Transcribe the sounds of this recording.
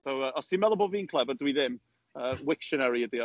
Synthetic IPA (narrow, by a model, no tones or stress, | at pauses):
sowəʔɔsimɛlˠɔbɔlˠviːnkʰlˠɛvədwiðɪm | əːwɪkʃənɛɾiədiɔ